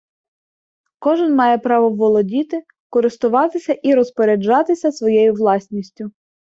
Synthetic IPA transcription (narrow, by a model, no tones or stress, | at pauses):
kɔʒɪnmɑjɛpɾɑʋɔʋɔlˠɔdʲit̪ɪ | kɔɾɪst̪ʊʋɑt̪ɪsʲɐʔiɾɔspɔɾʲed͡ʒɑt̪ɪsʲɐsʋɔjɛjʊʋlˠɑsʲnʲisʲtʲʊ